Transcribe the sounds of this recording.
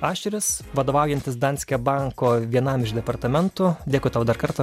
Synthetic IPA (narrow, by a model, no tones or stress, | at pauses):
ɑːʃʲt͡ʃʲɪɾʲɪsʋɐd̪oːʋɐˑʊjɛnʲt̪ʲɪsd̪ɑːnʲsʲkʲɛbɑŋkoːʋʲiɛnɐmɪʃd̪ʲɛpɐɾt̪ɐmʲɛnt̪ʊd̪ʲeːkʊɪt̪ɐʊd̪ɐɾkɐɾt̪ɐ